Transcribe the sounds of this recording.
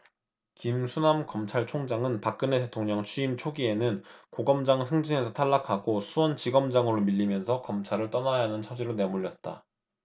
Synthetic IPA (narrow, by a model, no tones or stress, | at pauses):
kimsʰunamkʌmt͡ɕʰaɭt͡ɕʰoŋd͡ʑaŋɯnpak͈̚ɯne̞te̞tʰoŋɲʌŋt͡ɕʰuimt͡ɕʰoɡie̞nɯnkoɡʌmd͡ʑaŋsʰɯŋd͡ʑine̞sʰʌtʰaɭːakʰaɡosʰuwʌnt͡ɕiɡʌmd͡ʑaŋɯɾomiʎːimjʌnsʰʌkʌmt͡ɕʰaɾɯɭt͈ʌnajɦanɯnt͡ɕʰʌd͡ʑiɾone̞muʎːʌt̚t͈a̰